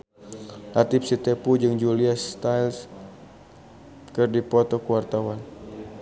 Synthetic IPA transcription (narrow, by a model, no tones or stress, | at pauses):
lat̪ipsit̪ɛpud͡ʒɨŋd͡ʒuliast̪ajls | kɨrdipɔt̪ɔkuwart̪awan